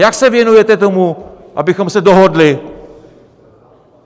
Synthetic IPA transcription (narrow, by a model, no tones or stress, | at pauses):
jaksɛvjɛnujɛt̪ɛt̪o̞mu | ʔa̰bɪxo̞msɛdoɦodlɪ